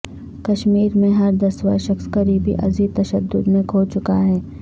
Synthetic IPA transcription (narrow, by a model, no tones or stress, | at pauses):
kɐʃmiːɾmẽɦɐɾd̪ɐsʋɐʃɐxskɐɾiːbʱḭʔɐ̰ziːd̪̚t̪ɐʃəd̪ːʊd̪mẽkʰoːt͡ʃʊkaɦɛː